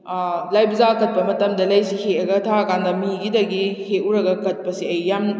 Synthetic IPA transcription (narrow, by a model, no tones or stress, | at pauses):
lajbɐzakɐt̚pɐmɐtɐmdɐlɐjsiheɐɡɐtʰaɐkʰandɐmiɡidɐɡiheuɾɐɡɐkɐt̚pɐsiɐjːam